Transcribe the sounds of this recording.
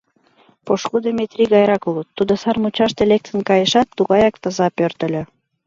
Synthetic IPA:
poʃkud̪emet̪rʲiɣɑjɾɑkulut̪ːud̪ŏsɑrmut͡ɕɑʃt̪elek̚t̪ə̆nkɑjə̆ʃɑt̪ːuɣɑjɑk̚t̪ɤ̆zɑpørt̪ə̆lʲø̆

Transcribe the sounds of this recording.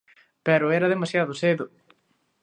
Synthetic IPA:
pɛɾʊɛɾɐðemasjaðʊseðʊ

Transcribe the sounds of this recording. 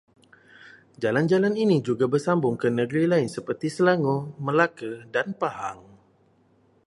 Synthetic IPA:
d͡ʒaland͡ʒalaninid͡ʒuɡabərsambʊŋkənəɡɾilaɪnsəpərt̪isəlaŋoməlakədanpahaŋ

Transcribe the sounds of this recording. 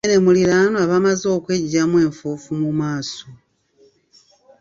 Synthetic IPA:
nemuliɾanoaβamazo̞ːkwe̞ɟamwe̞ːɱfuːfumumaːso

